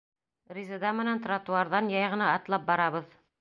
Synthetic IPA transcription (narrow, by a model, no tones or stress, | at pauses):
rʲizɤd̪ɑmɘ̆nænt̪rɑt̪uɑɾðɑnjɑjʁɤ̆nɑːt̪lˠɑp̚bɑɾɑβɤð